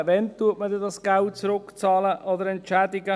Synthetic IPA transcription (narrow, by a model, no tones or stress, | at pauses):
vɛnt̪uːɐtməd̪ɛdɑsɡ̥aʊt͡sɾʊkt͡sɑːləʔod̪əɾɛntt͡ʃɛːdɪɡə